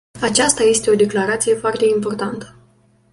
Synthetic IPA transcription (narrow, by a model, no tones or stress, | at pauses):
at͡ʃast̪aje̞st̪e̞o̞d̪e̞klaɾat̪sije̞foart̪e̞impo̞rt̪ant̪ə̥